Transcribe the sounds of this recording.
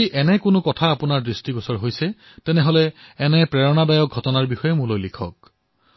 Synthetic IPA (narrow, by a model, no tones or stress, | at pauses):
iʔɛnɛkʊnʊkɔtʰaːpʊnaɹdɹistiɡɔsɔɹɦojsɛ | tɛnɛɦɔlɛɛnɛpɹɛɹɔnadajɔk̚ɡʱɔtɔnaɹbixɔjɛmulojlikʰɔ̰k̚